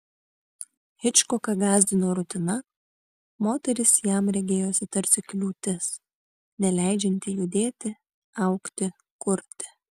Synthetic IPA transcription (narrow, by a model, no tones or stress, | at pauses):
hʲɪt͡ʃkɔkɐɡɑːzʲd̪ʲɪnoːɾʊt̪ʲɪnɐ | moːt̪ʲɛɾʲɪsjæˑmɾʲɛɡʲeːjoːsʲɪt̪ɐɾʲt̪sʲɪklʲuːt̪ʲɪs | nʲɛlʲæˑɪd͡ʒʲɛnʲt̪ʲɪjʊd̪ʲeːt̪ʲɪ | ɐʊkt̪ʲɪ | kʊɾʲt̪ʲɪ̥